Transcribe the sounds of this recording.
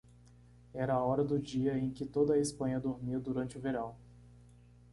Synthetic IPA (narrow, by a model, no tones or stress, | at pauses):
ɛɾɐɔɾɐd̪ʊd͡ʒiɐẽj̃kɪt̪od̪ɐːespɐ̃ɲɐd̪oɾmiɐd̪uɾɐ̃nt͡ʃɪʊveɾɐ̃w̃